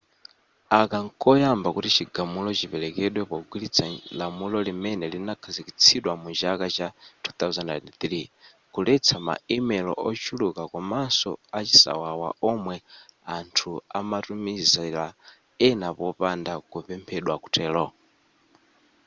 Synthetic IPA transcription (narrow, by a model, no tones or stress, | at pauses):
akaŋkɔjambakutit͡ʃiɡamulɔt͡ʃipɛlɛkɛɗwɛpɔɡwilit͡sʰalamulɔlimɛnɛlinakʰazikit͡sʰiɗwamud͡ʒakat͡ʃatʰu̥t̪auzannit̪ɾi | kulɛt͡sʰama̰imɛlɔ̰ʔɔt͡ʃʰulukakɔmansɔat͡ʃisa̰wawa̰ɔmwɛantʰua̰matumizala | ɛnapɔpandakupɛmpʰɛɗwaku̥tʰɛːlɔ